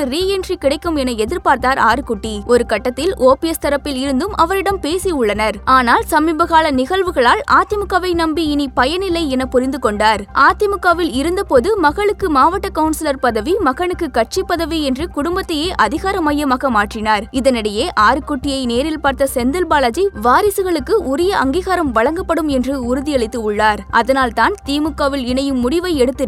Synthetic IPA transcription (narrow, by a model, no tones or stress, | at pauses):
ɯɾiːɛnrikɪɽɐɪkːɯmɛnɐɛðɪɾpaːɾt̪aːɾaːɾɯkʊʈːiɔɾɯkɐʈːɐt̪ːɪlʔoːpiɛst̪ɐɾɐpːɪlɪɾɯnd̪ɯmʔɐʋɐɾɪɽɐmpeːsiʊɭːɐnɐɾaːnaːlsɐmiːbɐɣaːɭɐnɪɣɐɭʋɯɣɐɭaːla̰ːt̪ɪmɯkːaːʋɐɪnɐmbiɪnipɐjɐnɪlɐɪɛnɐpʊɾɪnd̪ɯkɔɳɖaːɾʔaːt̪ɪmɯkːaːʋɪlɪɾɯnd̪ɐpoːðɯmɐɣɐɭɯkːɯmaːʋɐʈːɐkɐʊnsɪlɐɾpɐðɐʋimɐɣɐɳɯkːɯkɐʈ̚t͡ʃipːɐðɐʋiɛndrɯkʊɽʊmbɐt̪ːɐjeːʔɐðɪɣaːɾɐmaːjɐmaːɣɐmaːʈrɪnaːɾɪðɐnɐɽɐjeːʔaːɾɯkːʊʈːɪjɐɪneːɾɪlpaːɾt̪ɐsɛnd̪ɪlbaːɭɐd͡ʒiʋaːɾɪsɯɣɐɭɯkːɯʔʊɾɪjɐʔɐ̰ŋɡiːɣaːɾɐmʋɐɭɐŋɡɐpːɐɽɯmɛndrɯʊɾʊðɪjɐɭɪt̪ːɯʊɭːaːɾʔɐ̰ðɐnaːlt̪aːnt̪iːmɯkːaːʋɪlɪnɐjɯmːʊɽɪʋɐɪɛɽɯt̪ːɯ